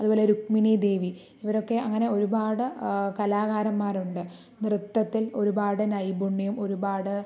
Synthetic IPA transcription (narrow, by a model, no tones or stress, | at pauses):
ɐðuboːleɾukminid̪e̞ːʋi | iʋɐɾo̞kːe̞ɐŋːɐne̞o̞ɾubaːɽɨkɐlaːɣaːɾɐmːaːruɳɖɨ | nrɨt̪ːɐt̪ːilo̞ɾubaːɽɨnɐjbuɳːijumo̞ɾubaːɽɨ